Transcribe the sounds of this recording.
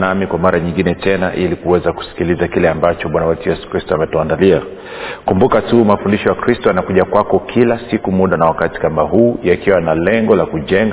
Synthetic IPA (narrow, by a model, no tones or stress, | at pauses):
namikwamaɾaɲiŋɡinɛtɛnaʔilikuwɛzaku̥si̥kilizakilɛambat͡ʃɔɓwanawɛtujɛsu̥kɾistɔamɛtɔandalia | kumbukatumafundiʃɔjakɾistɔjanakuʄakwakɔkʰilasikumuɗanawakati̥kamaɦuːjakiwanalɛŋɡɔlakuʄɛŋɡ